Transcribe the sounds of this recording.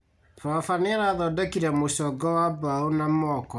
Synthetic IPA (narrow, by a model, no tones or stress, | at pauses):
faafaneaɾaːðɔdɛkiɾɛmosɔɡɔwabaonamɔkɔ